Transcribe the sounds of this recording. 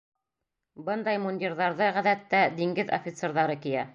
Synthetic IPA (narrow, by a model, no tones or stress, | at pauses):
bɤnd̪ɑjmunʲd̪ʲiɾðɑɾðɤʁæðæt̪ːæd̪iŋɡɘðo̰fʲɪt̪seɾðɑɾɤkijæ